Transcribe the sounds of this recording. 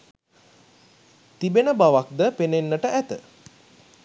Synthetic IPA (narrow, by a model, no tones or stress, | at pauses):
t̪ibenəbaʋak̚d̪əpenenːəʈəʔæt̪ə